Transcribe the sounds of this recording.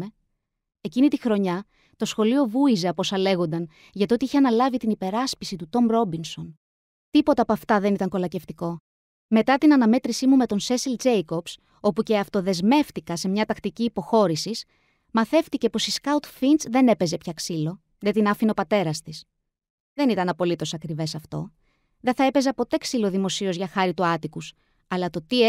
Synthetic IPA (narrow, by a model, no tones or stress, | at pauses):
e | e̞cinit̪ixɾo̞ɲɐ | t̪o̞sxo̞lio̞vuize̞ɐpo̞sɐle̞ɣo̞nd̪ɐn | ʝɐt̪iot̪iiçeɐnɐlɐvit̪inipe̞ɾɐspisit̪ut̪o̞mɾo̞binso̞n | t̪ipo̞t̪ɐːpoɐft̪ɐðe̞nit̪ɐŋko̞lɐce̞ft̪iko̞ | me̞t̪ɐt̪inɐnɐme̞t̪ɾisimume̞t̪o̞nse̞sild͡zejko̞bs | o̞puce̞ɐft̪o̞ðe̞zme̞ft̪ikɐse̞mɲɐt̪ɐkt̪iciːpo̞xo̞ɾisis | mɐθe̞ft̪ice̞po̞siskɐut̪finsðe̞ne̞pe̞ze̞pçɐksilo̞ | ðet̪inɐfino̞pɐt̪e̞ɾɐst̪is | ðe̞nit̪ɐnɐpo̞lit̪o̞sɐkɾive̞sɐft̪o̞̰ | ðenθɐe̞pe̞zɐpo̞t̪e̞ksilo̞ðimo̞sio̞zʝɐxɐɾit̪uɐt̪ikus | ɐlɐt̪o̞t̪i